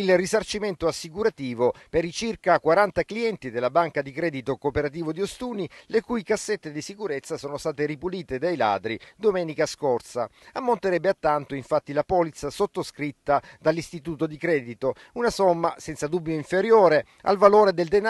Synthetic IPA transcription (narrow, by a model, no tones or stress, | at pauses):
ilrisart͡ʃiment̪oasːikuɾat̪iːvopeɾit͡ʃirkakwaɾant̪akliɛnt̪id̪elːabaŋkad̪ikɾɛːd̪it̪okopeɾat̪̬iːvod̪iost̪uːnilekujkasːet̪ːed̪isikuɾet̪sːasoːnost̪aːt̪eɾipuliːt̪ed̪ajla̰ːd̪ɾid̪omɛːnikaskort̪sa̰amːont̪eɾɛbːeat̪ːant̪oiɱfat̪ːilapɔːlit̪sasot̪ːoskɾit̪ːad̪alːist̪it̪uːt̪od̪ikɾɛːd̪it̪o | unasomːasɛnt̪sad̪ubːjoiɱfeɾjoːɾe | a̰lvaloːɾed̪eld̪en